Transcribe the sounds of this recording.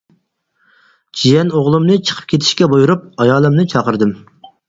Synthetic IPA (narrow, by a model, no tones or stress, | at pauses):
d͡ʒijɛnoʁlˠɨmnɨt͡ʃʰə̥qʰə̥p̚kʲʰet̪ʰɪ̥ʃkʲɛbojuɾup̚ɑjɑːlˠɨmnɨt͡ʃʰɑqəɾd̪ɨm